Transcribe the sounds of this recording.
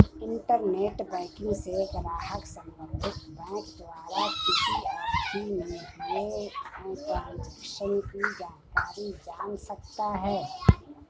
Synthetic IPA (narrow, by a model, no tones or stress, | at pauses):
ɪ̃ɳʈəɾneːʈbɛ̃ːkɪ̃ŋɡseɡɐlaːɦəksə̃mbə̃nd̪ʱɪt̪bɛ̃ːkd̪ʋaːɾakɪsiatʰimẽɦieɛ̃ːʈãːnd͡ʒəkʃənkid͡ʒaːnkaːɾid͡ʒaːnsəkt̪aɦɛː